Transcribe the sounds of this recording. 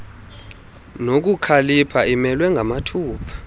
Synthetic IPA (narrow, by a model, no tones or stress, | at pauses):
nok̬ukʰalipʰaimɛlwɛŋɡʱamatʰuːpʰḁ